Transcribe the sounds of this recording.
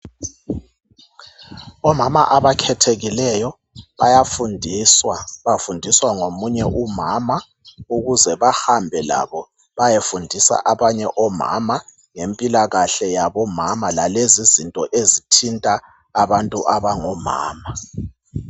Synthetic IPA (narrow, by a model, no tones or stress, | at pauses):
ɔmama̰ʔaβakʰɛtʰeɣilɛjɔ | βajafundʱiswaβafundʱiswaŋomuɲɛʔumama | uɣuzɛβahambʱɛla̰βɔ | βajefundʱisa̰ʔaβaɲɛʔɔma̰ma | ŋempʼilaɣaɬɛjaβɔmamalalezizintʼɔʔezitʰintʼa | aβantʼuʔaβaŋɔma̰ːma